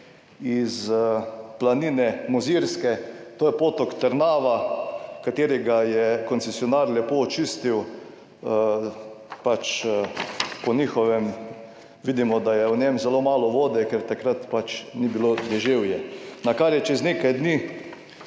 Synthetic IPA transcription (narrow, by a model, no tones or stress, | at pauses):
iz | planiːnɛmɔziɾskɛt̪oːjɛpoːt̪ɔkt̪əɾnaːʋakat̪eːɾɛɡajɛkɔnsɛsjɔnaːɾlɛpoːt͡ʃist̪iw | pat͡ʃ | pɔnʲixɔʋɛm | ʋid̪imɔd̪ajɛwnjɛmzɛlomaːlɔʋoːd̪ɛkɛɾt̪akɾat̪pat͡ʃnibilod̪ɛʒewjɛnakaɾjɛt͡ʃɛzneːkajd̪ni